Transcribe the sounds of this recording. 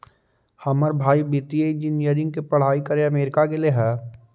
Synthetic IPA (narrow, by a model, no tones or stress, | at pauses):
hɐməɾbʱaːibit̪ieind͡ʒinjəɾɪ̃ŋɡ̚kipɐɽ̤aːikɐɾeɐmeːɾɪkakeleɦɛː